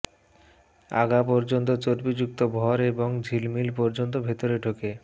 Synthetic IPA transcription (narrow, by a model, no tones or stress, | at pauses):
a̰ɡapɔɾd͡ʑont̪ot͡ɕoɾbid͡ʑuk̚t̪obʱɔɾeboŋd͡ʑʱilmilpɔɾd͡ʑont̪̬obʱet̪oɾeɖʰʱoke